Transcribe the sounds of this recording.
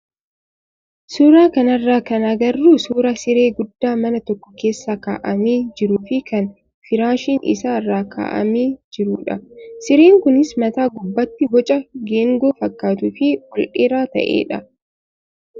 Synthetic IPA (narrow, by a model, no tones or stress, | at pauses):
suːɾaːkɐnɐrːaːkɐnɐɡɐrːuːsuːɾɐsɪɾe̞ːɡʊd̪ːaːmɐnɐt̪ɔkːɔ̥ke̞ːsːaːka̰ːʔɐmeːd͡ʒɪɾuːfɪkɐn | fɪɾaːʃiːnʔɪ̰saːrːaːkʰa̰ːʔɐ̰meːd͡ʒɪɾuːᶑɐsɪɾeːŋkʊnɪsmɐt̪aːɡʊbːɐt̪ːɪbɔt͡ʃʼɐɡeːŋɡo̞ːfɐkːaːt̪ʊfɪwɔlᶑeːɾaːt̪ɐ̰ʔḛːᶑɐ